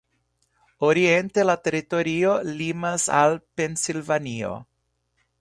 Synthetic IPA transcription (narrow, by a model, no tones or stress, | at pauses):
oɾie̞nte̞late̞ɾito̞ɾio̞limasa̰lpe̞nsilvanio̞̰